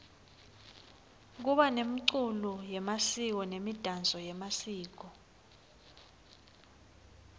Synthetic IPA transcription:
k̬uɓanemiǀulɔjɛmasik̬ɔnemid̥ʱand͡zʱɔjɛmasiːk̬ɔ

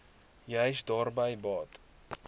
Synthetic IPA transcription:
jəjsdɑːrbəjbɑːt

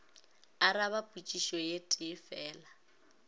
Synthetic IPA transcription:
aɾaβapʼut͡ʃʼiʃɔjetʼɪfɛːla

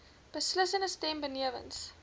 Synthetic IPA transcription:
b̥əsləsənəstɛmbəniəvə̰ns

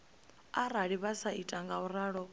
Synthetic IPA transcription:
aɾaɺiβasaitʼaŋɡauɾaːɺɔ

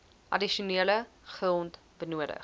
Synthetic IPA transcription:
ʔɐ̰diʃuniələ | χəlˠnt | b̥ənuəɾə̰χ

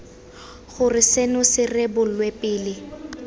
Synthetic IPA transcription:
χʊrɪsenʊsɪrɪbʊlwepʼɪːlɪ

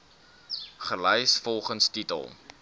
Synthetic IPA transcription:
χəlɛjsfɔlˠχənstitə̰lˠ

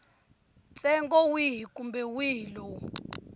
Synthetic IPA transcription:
t͡sʼɛŋɡɔwiɦikʼumbɛwiːilɔ

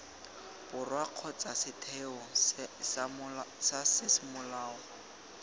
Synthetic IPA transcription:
bʊrwaq͡χʰɔt͡sasɪtʰɛɔsmsasɪsɪmʊlaːɔ

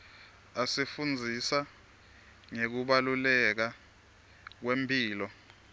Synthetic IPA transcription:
asifund͡zʱisa | ŋek̬uɓalulɛk̬a | k̬wempʰʼiːlɔ

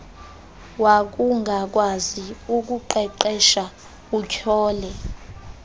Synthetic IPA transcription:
wak̬uŋɡʱak̬ʼwaziuk̬ʼuǃɛǃɛʃa | ukʰɔːlɛ

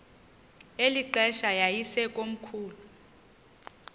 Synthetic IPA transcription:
eliǃɛʃajajisɛkʼom̩kʰuːlu

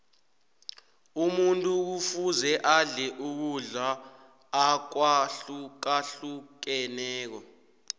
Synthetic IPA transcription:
umuntʼuk̬ufuzɛʔaɮɛʔuk̬uɮaː | k̬wak̬aɬuk̬ɛnɛːk̬ɔ

